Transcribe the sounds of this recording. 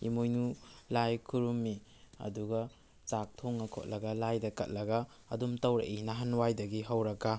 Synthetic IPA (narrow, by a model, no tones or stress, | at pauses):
ḭmojnulajkʰuɾumːiɐ̰duɡɐ | t͡ʃak̚tʰoŋnɐkʰo̰t̚lɐɡɐlajdɐkɐ̰t̚lɐɡɐ | ɐ̰dumtɐwɾɐ̰ʔinɐɦɐnwajdɐɡiɦɐwɾɐka